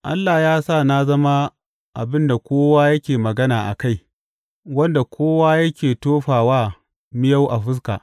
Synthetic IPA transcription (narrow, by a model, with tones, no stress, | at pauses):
ʔa̰˦lːaː˨jaː˦sa˦˨na˦zɐ˦ma˦ | ʔa˨bɪ˦nda˨kʷoː˦waː˦jɐ˦kʲeː˨mɐ˨ɡɐ˦naː˨ʔa̰˨ka˦j | wɐ˦nda˨kʷʰoː˦waː˦jɐ˦kʲeː˨toː˦ɸaː˨waː˦ | mɪ˦ja˦wʔa˨ɸɪ˦s̬ka̰ː˨ʔ